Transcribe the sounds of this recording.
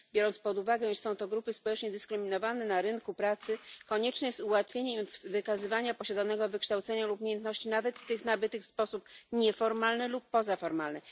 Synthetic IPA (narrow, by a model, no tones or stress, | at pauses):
bʲjɔɾɔnt̪spɔd̪uvaɡɛ̃iʂsɔ̃w̃t̪ɔɡɾupɘspɔwɛt͡ʂɲɛd̪ɘskɾɘmʲinɔvanɛnaɾɘnkupɾat̪sɘkɔɲɛt͡ʂnɛsuwat̪fʲjeɲɛmimvɘkazɘvaɲapɔɕad̪anɛɡɔvɘkʂt̪awt̪sɛɲalupumʲejɛnt̪nɔɕt͡ɕinavɛt̪ːɘxnabɘt̪ɘkfspɔsupɲɛfɔɾmalnɘlupːɔzafɔɾmalnɘ